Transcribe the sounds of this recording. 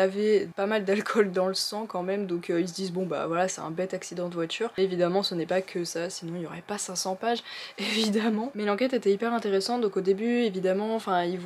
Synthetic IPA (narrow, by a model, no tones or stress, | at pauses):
avɛpamald̪alkʰɔld̪ɑ̃ləsɑ̃kɑ̃mɛmd̪ɔ̃køils̬əd̪izbɔ̃ba̰vwalasɛt̪ɛ̰̃bɛt̪aksid̪ɑ̃d̪əvwat̪yʁevid̪amɑ̃sənɛpakʰəsasinɔ̃iljɔʁɛpasɛ̃sɑ̃paʒevid̪amɑ̃mɛlɑ̃kʲɛt̪et̪ɛipɛʁɛ̃t̪eʁesɑ̃t̪̚d̪ɔ̃kod̪ebyevid̪amɑ̃ɑ̃fɛ̃ilv